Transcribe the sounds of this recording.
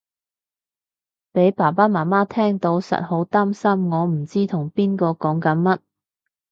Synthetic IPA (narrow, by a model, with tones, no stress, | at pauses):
pe˨˥jpaː˨˩paː˥maː˨˩nmaː˥t̪ʰɛː˥ŋt̪o˨˥wsɐ̰˨t̚ho˨˥wt̪aː˥msɐ˥mŋɔː˨˧m̩˨˩t͡siː˥t̪ʰʊ˨˩ŋpiː˥nkɔː˧kɔː˨˥ŋkɐ˨˥nmɐ˥t̚